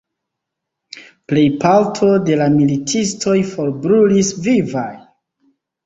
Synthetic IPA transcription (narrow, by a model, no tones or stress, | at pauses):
ple̞jpaltʰo̞de̞lamilitʰistʰo̞jfo̞ɾbɾulisvivaj